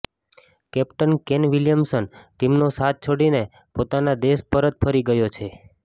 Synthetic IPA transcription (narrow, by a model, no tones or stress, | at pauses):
kɛpʈənkenʋiljəmsənʈimnosat̪̚ʰt͡ʃʰoɽine | pot̪anad̪espəɾət̪̚fʰəɾiɡəjot͡ʃʰe